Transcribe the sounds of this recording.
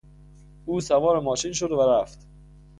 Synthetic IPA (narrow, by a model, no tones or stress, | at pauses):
ʔuːsævɒːɾemɒːʃiːnʃod̪væɾæft̪